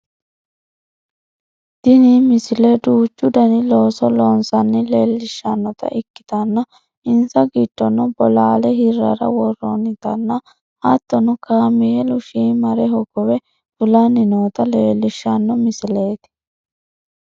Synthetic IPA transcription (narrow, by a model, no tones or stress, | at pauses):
d̪̥ɪniːmɪsled̪uːt͡ʃːʊd̪ɐnɪloːsɔloːnsɐnːɪleːlːɪʃːɐnːɔt̪ɐ̰ʔɪkːɪ̥t̪ɐnːɐ | ɪnsɐɡiːt̪ːɔnːɔbɔlaːlɛɦɪrːɐ̰ɾɐ̰wɔrːɔ̰nɪt̪ɐnːɐ | ɐt̪ːɔnʊkaːmɪjɛlʊʃiːmɐɾɛɦɔɡɔwɛ | fʊlɐnɪnoːt̪ɐleːlːɪʃːɐnːɔmɪsle̞ːt̪ɪ̥